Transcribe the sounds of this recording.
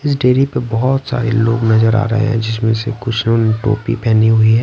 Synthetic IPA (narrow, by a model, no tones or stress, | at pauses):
ɪs̬ɖeːɾipebɔɦɔt̪sa̰ːɾeloːɡnɐzəɾa̰ːɾɐ̰ɦḛɦɛ̰̃d͡ʒɪs̬mẽsekʊt͡ʃʰnoːnʈo̰ːpḭpɛɦniɦʊiɦɛː